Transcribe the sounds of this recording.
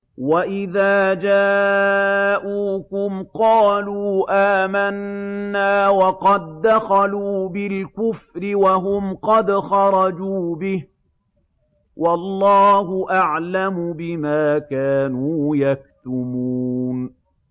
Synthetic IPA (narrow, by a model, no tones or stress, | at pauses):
waʔɪðaːd͡ʒaː | ʔuːkʊmqɑːluːʔaːmanːaːwɑqɑd̪ːaxaluːbɪlkʊfɾɪwaɦʊmqɑd̪xɑɾˤɑd͡ʒuːbɪh | wʔɑlˤːɑːhʊʔaʕlamʊbɪmaːkaːnuːjak̚t̪ʊmuːn